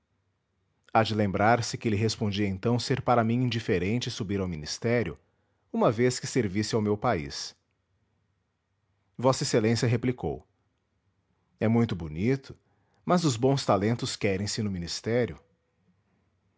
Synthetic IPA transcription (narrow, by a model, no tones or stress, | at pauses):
ad͡ʒɪlẽmbɾaɾsɪkɪelɪɦespõd͡ʒiɐẽnt̪ɐ̃w̃seɾpaɾɐmĩĩd͡ʒifeɾẽnt͡ʃɪsubiɾawminist̪ɛɾjʊ | ũmɐveskɪseɾvisɪawmewpaḭs | vɔsɐeselẽsjɐɦepliko̰w | ɛmũj̃t̪ʊbunit̪ʊ̥ | mɐzʊzbõw̃st̪alẽnt̪ʊskɛɾẽj̃sɪnʊmĩnist̪ɛɾjʊ